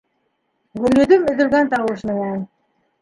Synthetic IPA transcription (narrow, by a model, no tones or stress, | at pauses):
ʁɵ̆lɵ̆ðɵmɵ̆ðɵ̆lɡænt̪ɑwɤʃmɘ̆næn